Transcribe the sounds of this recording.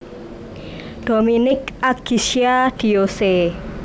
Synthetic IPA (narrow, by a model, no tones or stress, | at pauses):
d̪̥o̤minɪkaɡ̥isiad̪̥i̤ose